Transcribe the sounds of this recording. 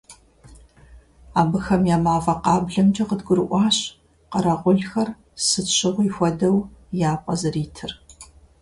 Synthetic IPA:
aːbɨxɐmjaːmaːfɐqɑːbɮɐmd͡ʒɐqədɡʷʊɾɨʔʷɑːɕ | qɐɾɐʁʷʊɮxɐr | sɨɕɪʁʷiːxʷɔdɐwjaːpʷʼɐzɨriːtʰɨr

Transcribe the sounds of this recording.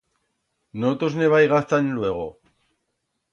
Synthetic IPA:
not̪osne̞βajɣast͡s̪anlueɣ̞o

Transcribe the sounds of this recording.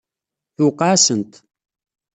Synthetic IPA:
θʊqːɑʕsənt̪

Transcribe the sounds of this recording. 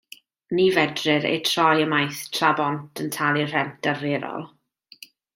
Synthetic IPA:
niːvɛdrɪɾḛjtʰrɔjəmajθtʰrabɔntʰəntʰalˠir̥ɛmd̥areɾɔ̰lˠ

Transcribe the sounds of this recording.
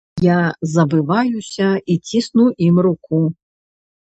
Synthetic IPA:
jazɐbɨvajusʲɐit͡sʲisnuʔimɾuku

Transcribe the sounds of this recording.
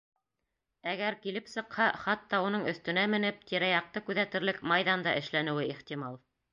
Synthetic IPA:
æɡæɾkilɘpsɤ̆qhɑχɑt̪ːɑunɤɴɵ̆θt̪ɵ̆næmɘ̆nɘp̚t̪ʰiɾæjɑq̚t̪ɤkʉðæt̪ɘ̆ɾlɘkmɑjðɑnd̪ɑʔɘ̆ʃlænɘ̆wɘiχt̪ʲimɑlˠ

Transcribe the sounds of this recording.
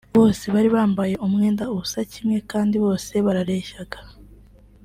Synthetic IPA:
βo̞ːse̞βaɾiβaːmbaje̞ʔumŋe̞ːndauβusacimŋe̞kaːndiβo̞ːse̞βaɾaɾe̞ːʃaɡ̥ḁ

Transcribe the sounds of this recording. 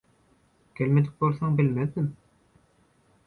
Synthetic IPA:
kʰʲelmed̪ɪk̚ʲbolˠθɑŋbɪlmæθɪm

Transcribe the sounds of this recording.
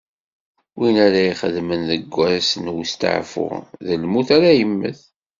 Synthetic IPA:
winæɾaiχəðmənðəɡʷːæɾæsənwst̪ə̰ʕfʊ̰ʁðəlmuθaɾæjəmːə̰θ

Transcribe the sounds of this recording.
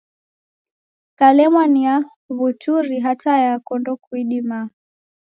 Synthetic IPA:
kalɛmwania | βutuɾiɦatajakɔndɔkwiɗima

